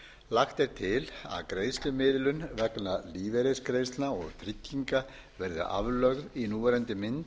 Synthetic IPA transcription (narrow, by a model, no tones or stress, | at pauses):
laxt̪ɛɾ̥t̪ʰɪla̰ðkɾeːjst̪lʏmɪðlʏnvɛknaliːvɛɾɪskɾejst̪lnaɔɣt̪ʰɾɪcːiŋka | vɛɾðʏ̰ʔa̰vlœɣðinuːvɛɾɛnt̪ɪmɪnt̪